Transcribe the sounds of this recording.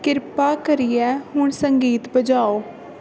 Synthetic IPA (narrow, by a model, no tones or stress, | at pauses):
kɪɾpaːkəɾiːɛːɦʊɳsəŋɡiːt̪bəd͡ʒaːoː